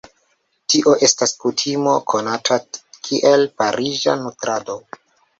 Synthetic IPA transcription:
tiʔo̞ʔe̞staskutʰimo̞kʰo̞natʰakʰiʔelpaɾʔid͡ʒa̰nutɾado̞

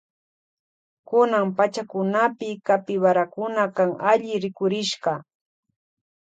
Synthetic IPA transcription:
kʊnampat͡ʃakʊnapɪkapɪwaɾakʊnakaŋaʎɪɾɪkʊɾɪʃɢɑ

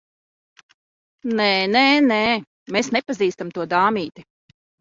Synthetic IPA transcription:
nɛnene | mesnɛpaziːst̪amt̪uɔd̪aːmiːt̪i

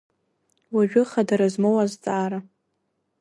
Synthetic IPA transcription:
waʒᶣʊχadaɾazmowazt͡sʼaːɾa

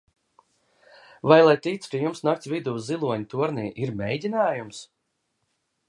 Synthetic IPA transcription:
vajlˠajt̪iːt̪skɨjumsnakt̪ʲsʲvid̪uːzilˠuɔɲt̪uɔɾniːʔiɾmʲɛjdʲinaːjums

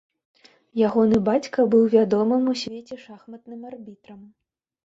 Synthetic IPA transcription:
jaɣɔnɨbat͡sʲkɐbɨwvʲad̪ɔmɨmusʲvʲet͡sʲɛʂaxmɐt̪nɨmarbʲit̪ɾɐm

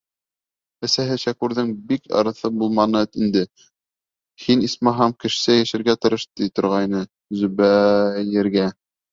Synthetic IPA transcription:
æ̆sæɦɘʃækʉɾðɘŋbikɑ̰ɾɤ̆θɤbulˠmɑnɤt̪ind̪ɘ | hinismɑɦɑmkɘ̆ʃsɘjæʃɘ̆ɾɡæt̪ɤ̆ɾɤʃt̪it̪ŏɾʁɑjnɤ | zɵβæjɘ̆ɾɡæ

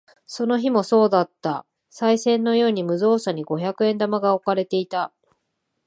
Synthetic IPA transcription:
so̞no̞çimo̞so̞ːd̪at̪ːa | saisẽ̞nːo̞jo̞ːɲ̟imɯ̟zo̞ːsaɲ̟iɡo̞çakɯ̟ẽ̞nd̪amaɡao̞kaɾe̞t̪e̞it̪a

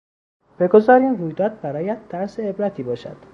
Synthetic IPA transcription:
b̥e̞ɡo̞zɒːɾiːnruːjd̪ɒːd̪̚bæɾɒːjæd̪ʰːæɾseːbɾæt̪ʰiːbɒːʃæ̰d̪̥

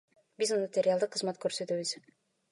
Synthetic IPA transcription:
bizunmat̪ʲeɾʲɪalˠd̪ɤqːə̆zmat̪kɵɾsøt̪yβɘz̥

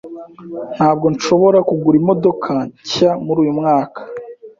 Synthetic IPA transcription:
n̥haːb̚ɡo̞nʃo̞βo̞ɾakuɡuɾimo̞do̞kʰaɲcamuɾuːjumŋaːkʰḁ

